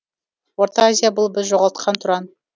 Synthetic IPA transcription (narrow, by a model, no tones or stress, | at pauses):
woɾt̪ɑazʲijabʊlˠbɪzʒoʁɑlˠt̪̚qʰɑnt̪ʰʊɾɑn